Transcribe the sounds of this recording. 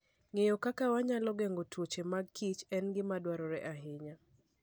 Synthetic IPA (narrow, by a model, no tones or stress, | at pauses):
ŋejɔkakawaɲalɔɡɛŋɡotwot͡ʃemaɡ̚kʰit͡ʃɛnɡɪmadwaɾɔɾɛʔaɦɪɲa